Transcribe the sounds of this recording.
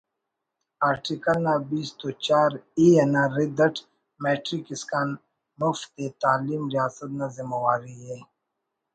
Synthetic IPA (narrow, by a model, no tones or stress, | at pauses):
aːɾʈikɐlnabiːst̪ot͡ʃaːɾienaɾid̪ɐʈʰ | meːʈɾikiskaːn | muft̪et̪aːliːmɾijaːsət̪̚nazimɐwaːɾiɦe